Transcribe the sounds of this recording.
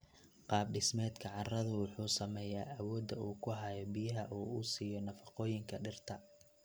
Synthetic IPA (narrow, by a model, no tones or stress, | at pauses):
qɑːb̚ɖɪsmɛːd̪kʰɐʕɑrɐðʊwɑħuːsɐmɛːjaːʔɐwɔːd̪ɐuːkʰʊɦɐjɔbɪjɐɦɐʔuːusiːjɔnɐfɑ̥qɔːjɪŋkʰɐɖɪrt̪ʰɐ